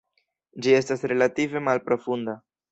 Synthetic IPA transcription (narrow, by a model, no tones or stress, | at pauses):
d͡ʒie̞stasɾe̞lative̞malpɾo̞funda